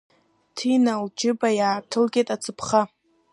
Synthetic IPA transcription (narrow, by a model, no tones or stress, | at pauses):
tʰinald͡ʒɪbajaːtʰɨlɡʲejtʼat͡sʰɨpʰχa